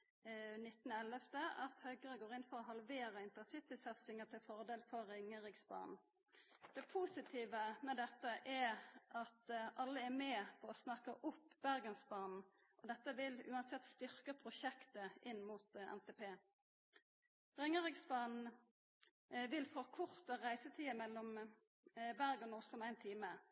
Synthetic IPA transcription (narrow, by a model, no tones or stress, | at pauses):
nɪt̪ːnɛləft̪əʔɑt̪hœʏɡəʁəɡoːʁɪnfɔʁɔɦɑlʋeːɾəɪnt̪ənsɪt̪ɪsɛt̪sɪŋət̪ʰɪlfɔʁd̪eːlfɔʁɪŋːəʁɪɡsbɑ̰ːnn̩ | d̪̥ɛpʰuːsɪt̪ʰiːʋəmɛd̪ɛt̪ːəʔæʔɑt̪ʔɑlːəæɾmɛːpʰɔɔsnɑkəʔʊpːbæʁɡənsbɑːnn̩ | ʔɔd̪ɛt̪ːəʋɪlʉ̰ːɑnsɛt̪ːst̪ʏʁkəpʰʁʊʃɛkt̪əʔɪnːmuːt̪ɛ̰mt̪ʰeːpʰeː | ʁɪŋəʁɪɡsbɑːnn̩ | ʋɪlfɔkʰʊʁt̪əʁæɪsət̪ʰiːmɛlːɔm | bæʁɡənʊslʊmɛæɪnt̪ʰiːmə